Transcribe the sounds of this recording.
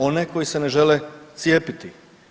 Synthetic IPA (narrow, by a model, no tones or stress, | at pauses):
o̞neko̞jise̞neʒelet̪sijeːpit̪i